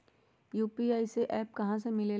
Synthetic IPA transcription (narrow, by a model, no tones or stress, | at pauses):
juːpiaːiseʔɛːp̚kɐɦãsemɪle